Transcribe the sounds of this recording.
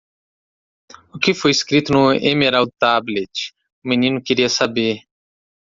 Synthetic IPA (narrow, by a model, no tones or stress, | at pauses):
ʊkɪfojiskɾit̪ʊnʊḛmeɾaw̪t̪ablet͡ʃ | ʊminĩnʊkiɾiɐsabeɾ